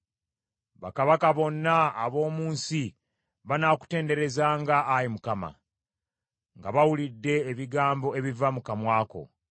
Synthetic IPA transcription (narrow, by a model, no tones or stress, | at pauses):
βa̰kaβakaβo̞nːaːβo̞ːmuːnsi | βanaːku̥te̞ːnde̞ɾe̞zaːŋɡaːjimukama̰ | ŋɡaβawulidːe̞ːβiɡaːmbo̞e̞βivamukamwaːko̞̰